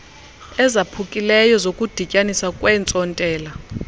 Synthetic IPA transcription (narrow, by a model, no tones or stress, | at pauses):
ɛzapʰukʼilɛjɔzokʼud̥ʱicʼanisakʼwɛnt͡sʼɔntʼɛːla